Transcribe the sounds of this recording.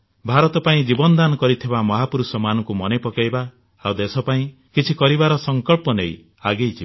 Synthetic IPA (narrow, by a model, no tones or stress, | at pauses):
bʱaɾɔt̪ɔpaĩd͡ʒibɔnɔd̪anɔkɔɾit̪ʰibamɔɦapuɾusɔmanɔŋkumɔnepɔkajba | awd̪esɔpaĩ | kit͡ʃʰikɔɾibaɾɔsɔŋkɔɭpɔnḛj | aɡejt͡ʃʰiba